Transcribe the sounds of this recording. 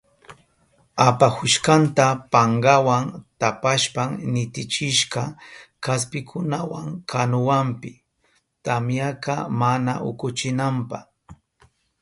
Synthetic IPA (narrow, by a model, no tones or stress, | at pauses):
apaxʊʃkant̪apaɴɢɑwaŋt̪apaʃpaŋnɪt̪ɪt͡ʃɪʃɢɑkaspɪkʰʊnawaŋkʰanʊwampɪ | t̪amjakɑmana̰ʔʊ̰kʊt͡ʃɪnampɑ̰h